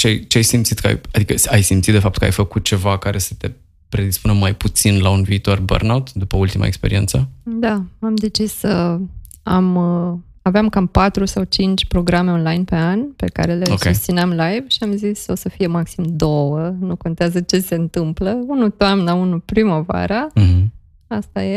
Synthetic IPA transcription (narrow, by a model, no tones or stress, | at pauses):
t͡ʃeajt͡ʃeajsimt̪sit̪kəa̰jad̪ikəajsimt̪sit̪d̪e̞fapt̪̚kəa̰jfəkut̪̚t͡ʃe̞vakaɾe̞sə̥t̪e̞ | pɾe̞d̪ispunəmajput̪sinlaunviːt̪o̞rbə̰rnawt̪d̪upəult̪ima̰ekspe̞ɾḭe̞nt̪səd̪aamd̪e̞t͡ʃisə | am | aveamkampat̪ɾusawt͡ʃint͡ʃʲpɾo̞ɡɾame̞o̞nlajnpe̞anpe̞̰ka̰ɾe̞leokeust̪sineamlajvʃiamziso̞səfije̞maksimd̪o̞wənuko̞nt̪eazət͡ʃe̞se̞ɨnt̪ɨmpləunut̪oamnaunupɾiməva̰ɾa | ast̪aje